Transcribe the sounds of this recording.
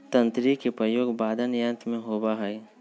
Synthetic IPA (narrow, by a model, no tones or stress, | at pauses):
t̪ɐ̃nt̪ɾikepɾəjoːɡbaːd̪ənjə̃nt̪mẽɦoːbaɦɛj